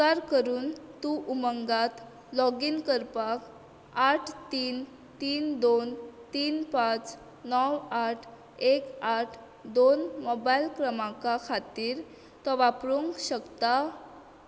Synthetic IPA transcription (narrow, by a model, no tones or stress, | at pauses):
aɾkəɾuːnt̪uʔuməŋɡat̪ | lɔɡinkəɾpak | aʈʰt̪iːn | t̪iːnd̪ont̪iːnpãt͡s | nɔwaʈʰ | ekaʈʰ | d̪onmɔbajlkɾəmakakʰat̪iːɾ | t̪ɔʋapɾuŋɡɕəkt̪a